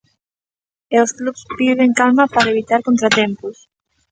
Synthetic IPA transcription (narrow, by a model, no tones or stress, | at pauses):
ewsklupspiðeŋkalmapaɾeβit̪aɾkont̪ɾat̪empus